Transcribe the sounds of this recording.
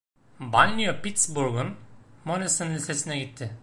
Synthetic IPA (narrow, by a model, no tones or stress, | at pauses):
balʲnijopit̪sbuɾɡunmonesɯnilʲsesinɛɡit̪ʰːɪ